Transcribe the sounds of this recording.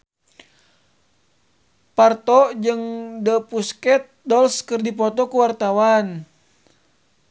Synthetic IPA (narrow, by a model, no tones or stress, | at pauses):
part̪ɔd͡ʒɨŋdəpuskɛt̪̚dɔlskərdipɔt̪ɔkuwart̪awan